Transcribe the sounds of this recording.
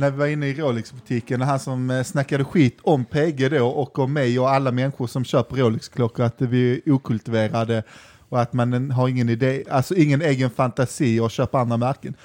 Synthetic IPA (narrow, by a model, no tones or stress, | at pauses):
næɾvɪvaɾɪnːəɪɾoːlɪksbɵt̪ʰiːkənɦansɔmsnakːad̪əɧiːt̪ʰɔmpʰeːɡəd̪oːʔɔkɔmːɛjɔalːamɛnɧʊʂɔmɕøːpəɾoːlɪkskʰlɔkːəɾat̪̚d̪ɛbɪuːkʰɵlt̪ɪveːɾad̪ə | ɔat̪manɦaɾɪŋːənɪd̪eːalsɔɪŋːəneːɡənfant̪asiːɔɕøːpəɾand̪ɾamæɾkən